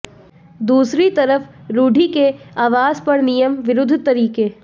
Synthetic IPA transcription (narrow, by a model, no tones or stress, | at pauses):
d̪uːsɾit̪ɐɾəf | ɾuːɖʱikeaːʋaːzpɐɾnijəmʋɪɾʊd̪ʱːt̪ɐɾiːkeː